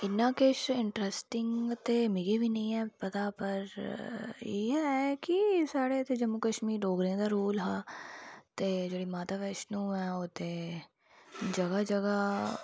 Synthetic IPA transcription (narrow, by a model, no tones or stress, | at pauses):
ɪnːãːkɪʃɪ̃ɳʈɾɛsʈɪŋɡt̪eːmɪɡebʱinɐɦĩːɛːpɐt̪aːpəɾ | iːɛkisaːɽet̪ed͡ʒɐmːukəʃmiːɾɖoːɡɾẽd̪aːɾoːlɦaː | t̪eːd͡ʒeːɽiːmaːt̪aːʋɛːʃnũːɛ̃ːoːt̪eː | d͡ʒɐɡad͡ʒɐɡa